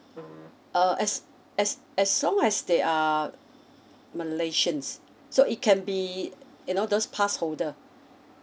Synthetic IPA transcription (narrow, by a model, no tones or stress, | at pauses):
ʌʔɛs | ɛs | ɛslɔ̃ŋɛsdeʔa | məleʃə̃nsː | oit̚kʰɛ̃nbi | junodospʰasholdə